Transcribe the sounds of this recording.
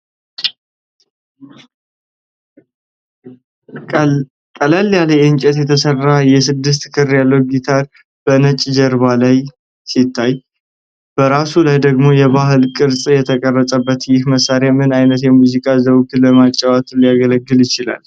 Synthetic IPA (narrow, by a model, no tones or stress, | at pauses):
kʼəlalːjaləjɨnt͡ʃʼɛt̪jɛt̪ʰəsərːajɛsɨd̪ːɨs̬t̪kʰɨrjalːəwɡit̪ʰaɾ | b̥ənət͡ʃʼd͡ʒəɾβalaj | sit̪ʰːaj | b̥əɾasulajd̪əɡmo̞jɛβaɦɨlkʼɨɾsʼjɛt̪ʰəkʼərːəsʼəbːət̪jɪhməsaɾamɨnajnət̪jɛmuzikʼazəwt̪ləmat͡ʃʼːawat̪ʰlijaɡələɡːɨljɪt͡ʃɪla̰l